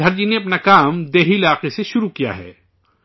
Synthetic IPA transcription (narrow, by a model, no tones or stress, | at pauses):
ɐɾd͡ʒineɐpnakaːmd̪eːɦiɪlaːqeseʃʊɾukija̰ɦɛ̰ː